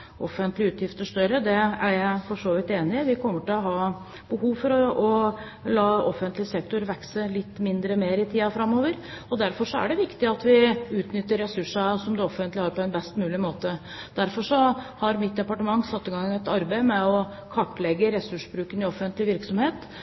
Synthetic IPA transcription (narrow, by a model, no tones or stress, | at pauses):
ʔɔfːənt̪lɪʉːt̪ʰjɪft̪əʂt̪œɾəd̪ɛæɾjæɪfɔʂoːʋɪt̪eːnɪʋɪkʰɔmːəʈɪlɔɦɑː | b̥əhuːʋfɔɾɔɔ | lɑːɔfənt̪lɪsɛk̚t̪ʊɾʋɛksəlɪt̪ːmɪnd̪ɾəmeːɾɪt̪ʰiːɑfɾɑmːoːʋəɾ | ɔd̪æɾfɔʂɔæ̰ɖɛʋɪkt̪ɪɑt̪ʋɪʉːt̪nʏt̪ːəɾːɛsʉʂɑsɔmd̪ɛɔfənt̪lɪhɑːɾpɔɛnbɛst̪mʉːlɪmoːt̪ə | d̪̥æɾfɔʂɔhɑɾmɪt̪̚d̪ɛpɑʈəmɑŋːsɑt̪ːɪɡɑŋːənɛt̪ɑɾbæɪmɛɔ | kʰɔʈːlɛɡːəɾɛsʉʂbɾʉːkənɪɔfənt̪lɪʋɪɾksɔmheːt̪